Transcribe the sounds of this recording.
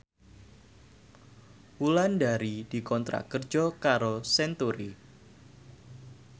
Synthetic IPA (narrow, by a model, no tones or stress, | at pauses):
wulandaɾid̥ikɔnt̪ɾa̰kərd͡ʒɔkaɾosɛnt̪uɾi